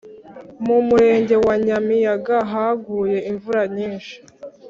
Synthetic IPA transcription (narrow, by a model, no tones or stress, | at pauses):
mumuɾe̞ːɲɟe̞waɲamijaɡaɦaɡuːje̞iɱvuɾaɲiːnʃi̥